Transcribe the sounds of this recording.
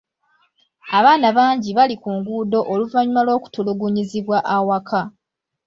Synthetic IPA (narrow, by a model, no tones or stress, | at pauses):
aβaːnaβaːɲɟiβalikuːŋɡuːdo̞ʔoluvaɲumalo̞ːku̥tuluɡuɲiziβwaʔawakʰa